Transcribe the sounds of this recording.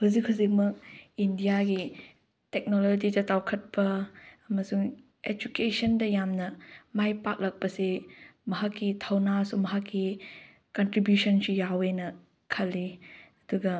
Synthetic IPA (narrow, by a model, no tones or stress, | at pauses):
huzikhuzik̚mɐk̚indijaɡi | tek̚nolod͡ʒid͡ʒɐtawkʰɐt̚pɐɐmɐsuŋ | ed͡ʒukesɐndɐjamnɐmajpak̚lɐk̚pɐsemɐɦakːitʰɐwnasumɐɦakːi | kɐntɾibjusɐnsujawenɐ | kʰɐlːiɐduɡɐ